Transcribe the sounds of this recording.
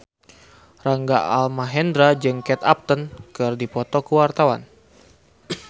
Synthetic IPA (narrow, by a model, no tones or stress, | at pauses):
raŋɡa̰ʔa̰lmaɦɛnd̪ɾad͡ʒɨŋkɛt̪a̰p̚t̪ənkɨrdipɔt̪ɔkəwart̪awa̰n